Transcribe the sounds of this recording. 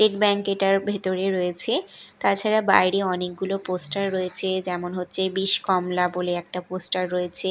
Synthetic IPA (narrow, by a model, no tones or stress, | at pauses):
sʈeʈbɛŋkeʈaɾbʱet̪oɾeɾojet͡ɕʰet̪aɾt͡ɕʰaɾaba̰jɾiɔnek̚ɡuloposʈaɾːojet͡ɕʰed͡ʑɛmonɦotːɕʰebiʃkɔmlaboleɛk̚ʈaposʈaɾːoet͡ɕʰe